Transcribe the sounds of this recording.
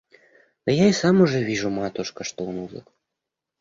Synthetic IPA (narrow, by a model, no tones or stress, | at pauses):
ɐjaisamuʐɛvʲiʐumat̪uʂkɐʂt̪ɔwnuzɨ̰k